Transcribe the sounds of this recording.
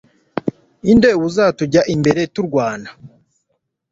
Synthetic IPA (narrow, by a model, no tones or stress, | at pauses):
indeβuzatuɟaʔimbe̞ɾe̞tuɾɡwaːna